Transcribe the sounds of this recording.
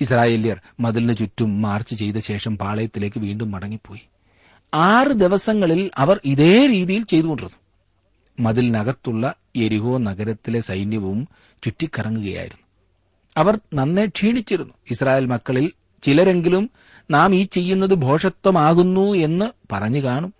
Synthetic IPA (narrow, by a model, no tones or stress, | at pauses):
is̬raːje̞ːljɐrmɐðilnɨt͡ɕutːumːaːrt͡ɕːɨt͡ɕe̞jt̪ɐɕe̞ːʂɐmpaːɭɐjɐt̪ːile̞ːkːɨʋiːɳɖumːɐɽɐŋːipːo̞ːji | aːrɨd̪eʋɐsɐŋːɐɭilɐʋɐriðe̞ːɾiːðijilt͡ɕe̞jt̪uɣoɳɖiɾunːu | mɐðilnɐɣɐt̪ːuɭːɐ | e̞ɾiɦo̞ːnɐɣɐɾɐt̪ːile̞sɐjnjɐʋum | t͡ɕutːikːɐrɐŋːuɣɐja̰ːjḭɾunːu | ɐʋɐrnɐnːe̞ʈʂiːɳit͡ɕːiɾunːuisraːjeːlmɐkːɐɭil | t͡ɕilɐɾe̞ŋɡilum | naːmiːt͡ɕːe̞jːunːɐðɨbʱo̞ːʂɐt̪ːɐmaːɣunːue̞nːɨpɐrɐɲːɨkaːɳum